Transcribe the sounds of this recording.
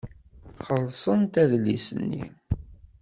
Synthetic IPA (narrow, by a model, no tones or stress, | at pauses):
χəlsˤənt̪æðlːḭsənːḭ